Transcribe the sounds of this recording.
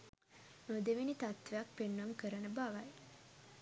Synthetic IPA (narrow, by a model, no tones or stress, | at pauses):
nod̪eʋinit̪at̪ʋejak̚penːamkəɾənəbaʋaj